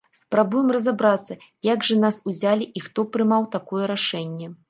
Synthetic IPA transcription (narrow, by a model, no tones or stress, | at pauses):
spɾabujɛmrɐzabɾat̪sːɐjaɡʐɐnasuzʲalʲiʔixt̪ɔpɾɨmawt̪akɔjɛɾaʂɛnʲːɛ